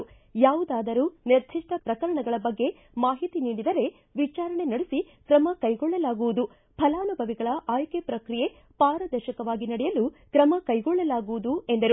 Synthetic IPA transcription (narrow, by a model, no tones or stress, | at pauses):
jaːʋud̪aːd̪ɐɾuːniɾd̪ʱiʂʈʰɐpɾɐkɐɾɐɳɐɡɐɭɐbɐɡːe̞ | maːɦit̪iniːɽid̪ɐɾe̞ | ʋit͡ʃaːɾɐɳe̞nɐɽesi | kɾɐmɐkɐjɡɔɭːɐlaːɡuʋud̪u | pʰɐlaːnubʱɐʋiɡɐɭɐʔaːjkepɾɐkɾije̞ | paːɾɐd̪ɐɾʃɐkɐʋaːɡinɐɽɛjɐlukɾɐmɐkɐjɡɔɭːɐlaːɡuʋud̪ue̞nd̪ɐɾu